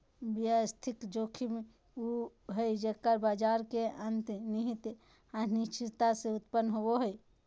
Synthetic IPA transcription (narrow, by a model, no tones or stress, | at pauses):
bjəst̪ʰikd͡ʒokʰime | u | ɦəjd͡ʒəkːəɾbad͡ʒaɾkeənt̪niɦit̪ | anit͡ʃʰit̪aseʊt̪pənːɦoboɦəj